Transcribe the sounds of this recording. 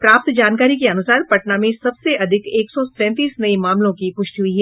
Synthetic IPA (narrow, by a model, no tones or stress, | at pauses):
pɾaːp̚t̪d͡ʒaːnkaːɾikeɐnʊsaːɾpɐʈnamẽsɐbseʔɐd̪ʱɪkeːksɔsɛ̃ːt̪iːsnɐimaːmlõkipʊʃʈɦʊiɦɛː